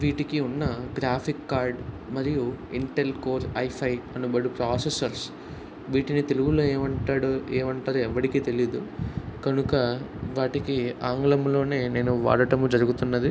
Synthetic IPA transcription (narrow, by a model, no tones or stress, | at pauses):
ʋiːʈikiunːɐɡɾaːpʰikːaːɾɖ | mɐɾijuiɳʈe̞lkoːɾɐjpʰɐjɐnubɐɽupɾaːsesɐɾs | ʋiːʈinit̪e̞luɡulo̞ːeːmɐɳʈaːɽueːmɐɳʈaːɾoɛʋːɐɽikiːt̪e̞lid̪ukɐnukɐ | ʋaːʈikiaːŋɡlɐmlo̞ːne̞ːne̞ːnuʋa̰ːɽɐʈɐmud͡ʒɐɾuɡut̪unːɐd̪i